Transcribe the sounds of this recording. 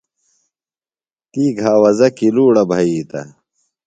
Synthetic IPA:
t̪iːɡʱaːwɐzɐkiluːɽɐbʱɐiːt̪ɐ̰

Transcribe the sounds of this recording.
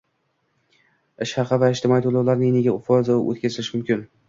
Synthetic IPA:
ɪʃɑqavaɪʃt̪ʰɪmɒjt̪ʰolˠawlaɾnɪneɡʲaʊfɒzɪʔo̰t̪kʲʰazɪlɪʃɪmʊmkʲɪn

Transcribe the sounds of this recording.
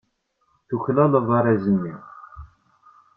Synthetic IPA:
θuçlæləvˤɑɾˤæzənːiʁ

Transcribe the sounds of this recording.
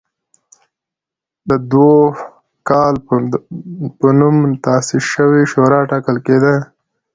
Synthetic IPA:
d̪əd̪wo | kɑl | pənumt̪ɑsɪʃəwiʃoɾɑʈɑkəlked̪a

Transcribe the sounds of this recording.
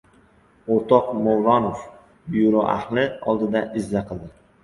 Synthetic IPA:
oɾt̪ʰɒqmowɾɒnof | bjuɾoʔa̰hlɪɒ̰lˠd̪ɪd̪aʔɪzːaqʰɨlˠd̪ɪ

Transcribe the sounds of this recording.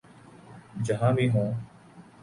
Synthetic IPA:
d͡ʒəɦãːbʱiːɦõː

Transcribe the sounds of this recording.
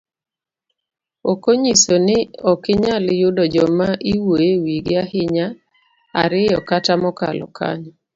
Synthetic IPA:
okoɲisonɪɔkɪɲalɪjʊdɔd͡ʒɔmaʔiwojewiɡɪahɪɲa | a̰ɾɪjɔkatamɔka̰lɔ̰ka̰ɲɔ

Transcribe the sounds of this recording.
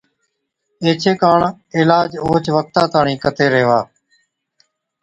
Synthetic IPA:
eːt͡ʃʰeːkaːɳ | ɪlaːd͡ʒoːt͡ʃʋək̚t̪ãːt̪aːɳĩːkət̪eːɾeːʋaː

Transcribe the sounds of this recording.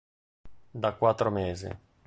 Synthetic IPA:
d̪akːwat̪ːɾomeːzḛ

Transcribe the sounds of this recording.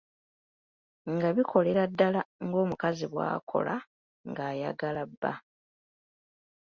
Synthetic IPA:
ŋɡaβikʰo̞le̞ɾadːalaŋɡo̞ːmukaziβwa̰ːkʰo̞̰la | ŋɡaːjaɡalabːa̰

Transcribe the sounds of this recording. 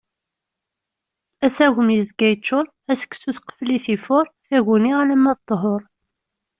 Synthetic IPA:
æsæʝəmjəzɡæjt͡ʃːʊɾˤ | æsə̥kːsuθqə̥fliθifʊɾˤθæʝuniælæmːæðt̪ˤːɦoɾˤ

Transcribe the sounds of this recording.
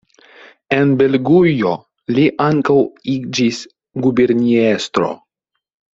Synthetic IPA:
e̞nbe̞lɡujo̞ | liʔaŋkawid͡ʒis | ɡubeɾniest̪ɾo̞̰

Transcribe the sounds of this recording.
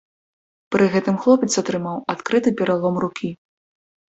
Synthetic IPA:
pɾɨɣɛt̪ɨmxlˠɔpʲɛt̪sɐt̪ɾɨmawat̪kɾɨt̪ɨpʲɛɾalˠɔmrukʲi

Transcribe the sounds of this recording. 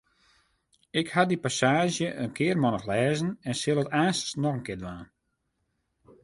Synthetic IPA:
ɪkhadipasaːʒjəʔənkʰɪərmɔnəxlɛːzənɛnsɪlˠətaːnstsnɔxənkɪːədʋaːn

